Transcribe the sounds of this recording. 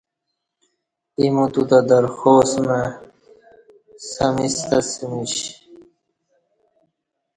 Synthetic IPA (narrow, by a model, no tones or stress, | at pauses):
imut̪ud̪ad̪əɾxoːsme | sɐmist̪ɐsimiɕ